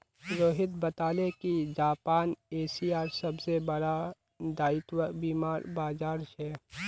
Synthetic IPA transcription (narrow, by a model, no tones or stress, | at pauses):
ɾoːɦɪt̪bɐt̪aːlekid͡ʒaːpaːneːsiaːɾsɐbsebɐɽa | d̪aːɪt̪wəbiːmaːɾbaːd͡ʒaːɾʃɛː